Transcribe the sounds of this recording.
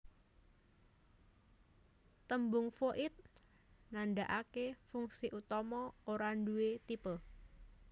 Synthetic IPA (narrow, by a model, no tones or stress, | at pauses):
t̪əmbʊŋfoʔɪt̪̚ | nandaʔakefuŋsiʔut̪ɔmɔoɾanduwet̪ipə